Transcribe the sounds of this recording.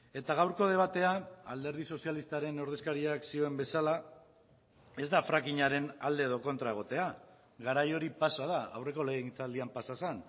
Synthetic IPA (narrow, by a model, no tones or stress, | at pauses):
e̞t̪aɣawɾko̞ð̞e̞β̞at̪e̞aald̪e̞ɾð̞iso̞sialist̪aɾe̞no̞ɾðe̞skaɾiaksio̞e̞mbe̞sala | e̞zd̪afɾakiɲaɾe̞nald̪e̞ːðo̞ko̞nt̪ɾae̞ɣ̞o̞t̪e̞a | ɣaɾajo̞ɾipasað̞aa̰wre̞ko̞lent͡sald̪iampasasen